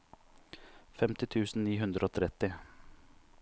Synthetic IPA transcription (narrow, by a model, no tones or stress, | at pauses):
fɛmt̪ɪt̪ʰʉːsn̩niːɦʉnd̪ɾəoːt̪ʰɾɛt̪ɪ